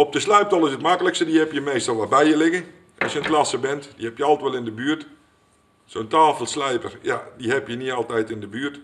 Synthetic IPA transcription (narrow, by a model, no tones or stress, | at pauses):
ɔp̚dəslɛjp̚tɔlˠɪsətmakələkstədihɛpjəmeːstɔlˠʋɔt̚bɛjjəlɪɣən | ɔsjəntlasəbɛntdihɛpjəɔlˠtʋɛlˠɪndəbyərt | soːntaːfəlˠslɛjpərjadihɛpjəniɔlˠtɛjtɪndəbyːt